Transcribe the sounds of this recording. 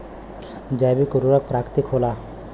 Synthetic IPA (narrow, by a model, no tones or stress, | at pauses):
d͡ʒajbikoɾuɾak̚pɾakt̪ikɦola